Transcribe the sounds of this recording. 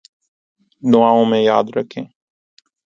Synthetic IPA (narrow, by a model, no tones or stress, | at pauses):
d̪ʊʋaːõːmẽːjaːd̪ɾəkʰẽː